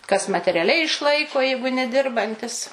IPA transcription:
kɐs mɐtʲɛrʲɛˈlʲɛɪ ɪʃˈlˠɐɪkoː ˈjɛɪɡʊ nʲɛˈdʲɪrbɐnʲtʲɪs

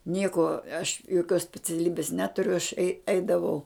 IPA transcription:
ˈnʲiɛkoː ɐʃ joːˈkʲoːs sʲpʲɛt͡sʲɛˈlʲiːbʲɪs ˈnʲæːtʊrʲʊ ɐʃ ɛɪ ˈɛɪdɐʋɐʊ

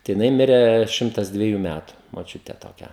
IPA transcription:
tɐɪ jɪˈnɐɪ ˈmʲɪrʲeː ˈʃʲɪmtɐs dʲʋʲɛˈjuː ˈmʲætʊ moːˈt͡ʃʲʊtʲeː toːˈkʲɛ

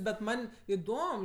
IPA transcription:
bʲɛt ˈmɐnʲ ɪˈdoːm

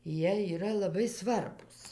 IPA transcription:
ˈjiɛ iːˈrɐ lˠɐˈbɐɪ ˈsʋɐrbuːs

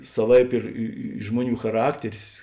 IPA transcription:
sɐˈʋɐɪp ɪr ˈɪ ɪ ˈʒmuɔˌnʲuː xɐˈrɑːktʲɛrʲɪs

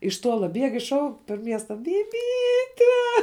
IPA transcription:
ɪʃ ˈtuɔlˠɐ ˈbʲiɛk ɪʃ ˈʃɐʊk pʲɛr ˈmʲiɛstɐ bʲɪˈbʲiːtʲɛ

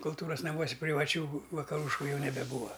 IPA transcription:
kʊlˠˈtuːrɐs nɐˈmuɔsʲɪ pʲrʲɪʋɐˈt͡ʃʲuː ʋɐkɐˈruːʃkʊ ˈjɛʊ nʲɛbʲɛˈbuːʋɐ

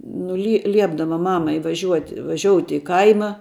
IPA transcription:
ˈnʊ lʲɪ ˈlʲiɛbdɐʋɐ ˈmɑːmɐɪ ʋɐˈʒʲuɔtʲɪ ʋɐˈʒʲoːʊtʲɪ ɪ ˈkɐɪmɐ

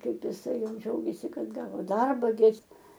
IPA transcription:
ˈkɐɪp ɪˈsɐɪ ˈjɛʊ ˈd͡ʒʲɛʊɡʲeːsʲɪ ˈkɐt ˈɡɑːʋoː ˈdɐrbɐ ɡʲɪ ˈɪs

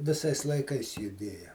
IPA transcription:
ʋʲɪˈsɐɪs lˠɐɪˈkɐɪs jʊˈdʲeːjɛ

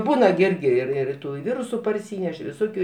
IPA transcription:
ˈbuːnɐ ɡʲɪ ˈɪrʲɡʲɪ ˈɪr ɪr ˈtuː ɪ ˈʋʲiːrʊsʊ pɐrʲˈsʲiːnʲɛʃ ʋʲɪˈsoːkʲʊ

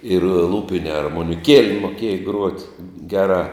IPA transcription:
ɪr ˈlˠuːpʲɪnʲɛ ɐrmoːnʲɪˈkʲiɛlʲɛ moːˈkʲiɛjɛ ɡruɔtʲ ˈɡʲæːˌrɑː

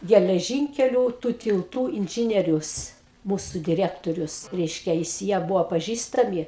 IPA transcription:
ɡʲɛlʲɛˈʒʲɪŋʲkʲɛlʲʊ tuː tʲɪlˠˈtuː ɪnʲˈʒʲɪnʲiɛrʲʊs ˈmuːsʊ dʲɪˈrʲæːktoːrʲʊs ˈrʲɛɪʃʲkʲɛ jɪs ˈjiɛ ˈbʊʋoː pɐˈʒʲiːstɐmʲɪ

